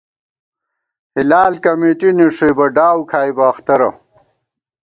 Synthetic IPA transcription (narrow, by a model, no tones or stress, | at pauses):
hilaːlkɐmeːʈiniʂebɐɖaːwkʰaːjbaːxt̪ɐɾɐ̰